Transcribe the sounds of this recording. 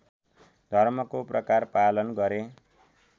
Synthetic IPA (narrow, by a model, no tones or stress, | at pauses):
d̪ʱʌrmʌkoprʌkarpalʌnɡʌɾe